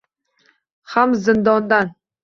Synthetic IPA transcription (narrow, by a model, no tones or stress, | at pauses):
hamzɨnd̪ɒnd̪an